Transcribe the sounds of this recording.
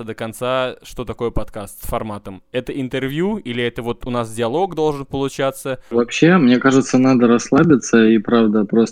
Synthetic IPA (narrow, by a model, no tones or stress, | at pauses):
əd̪əkɐnt̪saʂt̪o̞t̪ɐko̞jəpɐt̪kast̪sfɐrmat̪əmɛt̪əɪnt̪ɨrvʲjuilʲɪɛt̪əvo̞t̪ʊnasdʲɪɐlˠo̞ɡd̪o̞lˠʐɨnpəlˠʊt͡ɕat̪sːəvɐpɕːe̞mnʲe̞kaʐɨt̪sənad̪əɾɐsːlˠabʲɪt̪səipɾavd̪əpɾos